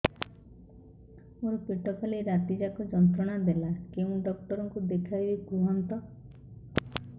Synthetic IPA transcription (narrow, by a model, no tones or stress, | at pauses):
oɾpiʈɔpʰaliɾat̪id͡ʒakɔd͡ʒɔnt̪ɾɔɽ̃ad̪elakeũɖɔk̚ʈɔɾɔŋkud̪ekʰaibiɡuɦɔnt̪ɔ